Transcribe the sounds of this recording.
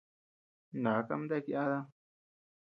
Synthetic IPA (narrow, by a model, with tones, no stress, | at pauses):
nã˨˦ka̰˦˧˦m˦d̪e˦˧ki˧ʔa˦ða˦